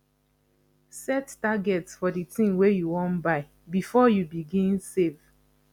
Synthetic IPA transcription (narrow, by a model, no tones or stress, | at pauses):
sɛttaɡɛtsfɔditĩmwejuwɔ̃nbaɪ | bifɔjubiɡĩnsev